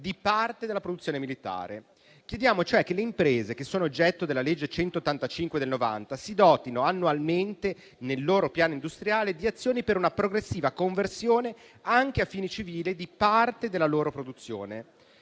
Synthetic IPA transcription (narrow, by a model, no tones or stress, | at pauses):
d̪ipart̪ed̪elːapɾod̪ut̪sːjoːnemilit̪a̰ːɾḛ | k̟jed̪jaːmot͡ʃoɛk̟ːeleimpɾeːzek̟esːoːnoːd͡ʒːɛt̪ːod̪elːaled͡ʒːet͡ʃɛnt̪oːt̪ːant̪at͡ʃiŋkwed̪elnova̰nt̪asid̪ɔːt̪inoanːualment̪e | nelːoːɾopjaːnoind̪ust̪ɾjaːled̪iat̪sːjoːnipeɾunapɾoɡɾesːiːvakoɱversjoːne | aŋk̟eafːiːnit͡ʃiviːlid̪ipart̪ed̪elːaloːɾopɾod̪ut̪sːjo̰ːne